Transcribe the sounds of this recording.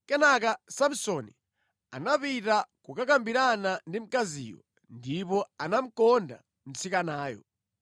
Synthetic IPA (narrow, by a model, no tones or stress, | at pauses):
kɛnak̬asam̩sɔnḭ | a̰napitakukakambiɾanandim̩kazḭːjɔ̰ | ndipɔanam̩kɔnda̰ | m̩t͡sʰikanaːjɔ̰